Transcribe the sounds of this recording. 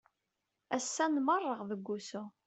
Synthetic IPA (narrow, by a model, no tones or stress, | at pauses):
æsːænmərˤːəʁðəɡʷːusu